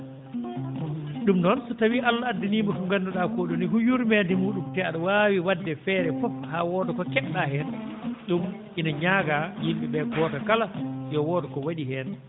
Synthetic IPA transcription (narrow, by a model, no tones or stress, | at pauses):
ɗumnɔnsɔtawiʔalːaadːiniːmɔfuŋɡanduɗakoɗuniɦujuɾmɛndɛmuːɗumtɛaɗɔwaːwiwadːɛfɛːɾɛfɔfhaːwɔːdɔkɔkɛɗːaɦɛnɗumʔinaɲaɡajimɓɛɓɛkɔːtakalajɔwɔːdɔkɔwaɗihɛn